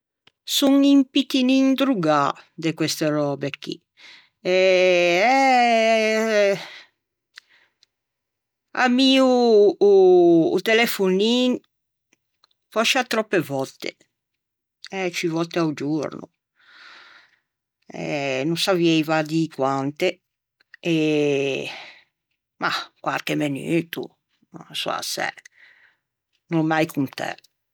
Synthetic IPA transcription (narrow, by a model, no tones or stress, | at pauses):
suŋimpit̪inind̪ɾuɡad̪ekwɛst̪eɾɔbekːḭ | ɛɛ | a̰miu | t̪elefunin | fɔʃat̪ɾɔpːevɔt̪ːḛ | ɛt͡ʃivɔt̪ːeaud͡ʒuɾnṵ | ɛ̰nũsaviɛjvad̪ikwant̪e | e | makwalkemenyːt̪ṵ | aso̰a̰sɛ̰ | nomajkunt̪ɛ̰